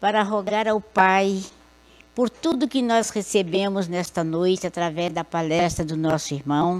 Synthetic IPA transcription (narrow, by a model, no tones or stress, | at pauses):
paɾɐɦoɡaɾawpaj | poɾt̪ud̪ʊkɪnɔshesebẽmʊznɛst̪ɐnojt͡ʃɪat̪ɾavɛzd̪ɐpalɛst̪ɾɐd̪ʊnɔsʊiɾmɐ̃w̃